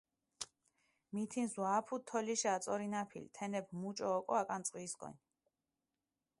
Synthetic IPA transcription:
mit̪ʰinswaːpʰut̪ʰːɔliʃaat̪sʼɔɾinapʰḭlt̪ʰɛnɛbmut͡ʃʼɔːkʼɔakʼansʼqʼiːskʼɔ̰n

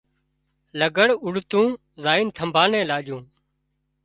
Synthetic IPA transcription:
ləɡəɽʊɽt̪ũː | zaːiːnt̪ʰəmbʱaːnẽːlaːʄũː

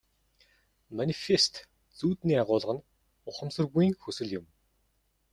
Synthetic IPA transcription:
manʲifest̪ | t͡suːt̪niːaʁʊːɮ̆ʁə̆n | ʊχə̆msɵ̆rɣujiːŋxɵsɵ̆ɮjʊm

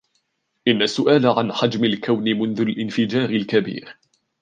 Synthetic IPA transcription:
ʔɪnːasːʊʔaːlaʕanħad͡ʒmalkawnɪmʊnðʊlʔɪnfɪd͡ʒaːɾɪlkabḭːɾ

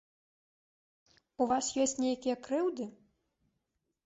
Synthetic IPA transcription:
uvasjɔsʲt͡sʲnʲejɐkʲijɐkɾɨwd̪ɨ

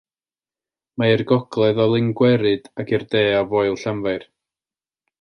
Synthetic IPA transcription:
maɪrɡɔɡlˠɛðɔlˠɪŋɡwɛɾɨd̥akʰirdeːavɔjlˠɬamvaɨr

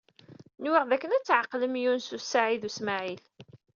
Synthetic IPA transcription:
nwɪʁðækːənæt͡sːʕəqːləmjunsusaʕiðusmaʕil

